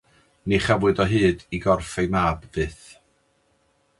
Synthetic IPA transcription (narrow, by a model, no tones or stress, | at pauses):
niχavwɨdɔɦɨːdiɡɔrfejmaːbvɨːθ